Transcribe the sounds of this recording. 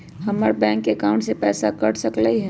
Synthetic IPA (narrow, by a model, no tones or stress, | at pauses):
ɦɐməɾbɛ̃ːŋkːeːkaʊ̃ɳʈsepɛːsakɐɽsɐkləiɦɛ